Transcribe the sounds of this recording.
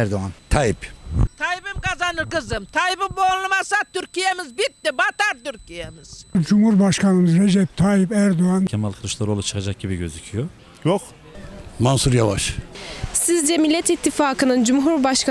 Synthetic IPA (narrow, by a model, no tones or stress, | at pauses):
ɛɾd̪oant̪ʰajipt̪ʰajibimkazanɯɾkɯzɯmt̪ʰajibimbonlˠumasat̪ʰːyɾcijemizbit̪̚ːibat̪aɾt̪yɾcʰijemiz̥d͡ʒumhuɾbaʃkʰanɯmɯzɾed͡ʒɛp̚t̪ʰaːjipæɾd̪oancʰɛmalʲˠkʰɯlˠɯʃlˠaɾolˠat͡ʃʰɯ̥kʰad͡ʒak̚ɟibiɟøzicʰijo | joq | mansuɾjavaʃsizd͡ʒɛmilʲːɛt̪it̪ʰːifaːkʰɯnɯnd͡ʒumɦuɾbaʃkʰa